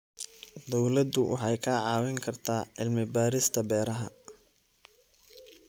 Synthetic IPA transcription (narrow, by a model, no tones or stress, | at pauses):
d̪ɔwlɐd̪ʊwʔɑ̰ħɑjkʰaːʕɑːwɛŋkʰɐrt̪ʰaːʔɪlmɪbaːɾɪst̪ʰɐbɛːɾɐɦɐ̰